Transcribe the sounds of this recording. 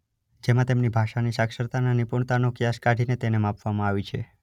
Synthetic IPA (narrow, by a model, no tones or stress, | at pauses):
d͡ʒemãt̪emnibʱaʃanisakʃəɾt̪ananipuɳt̪anokjaskaɖʱinet̪enemãpʋamãaʋit͡ʃʰḛ